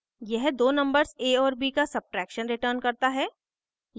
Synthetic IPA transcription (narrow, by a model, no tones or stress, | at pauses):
jɛɦd̪oːnɐ̃mbəɾzeːɔːɾbiːkasɐb̚ʈɾɛːkʃənɾɪʈəɾnkɐɾt̪aɦɛː